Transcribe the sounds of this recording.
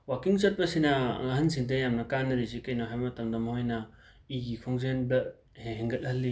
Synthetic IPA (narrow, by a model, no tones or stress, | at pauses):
wakiŋt͡ʃɐt̚pɐsinɐɐɦɐnsiŋt̬ejamnɐkanːɐɾizikɐjnoɦajmɐtɐmdɐmhojnɐ | iɡikʰoŋzenbɐ | heɦeŋɡɐt̚hɐlːi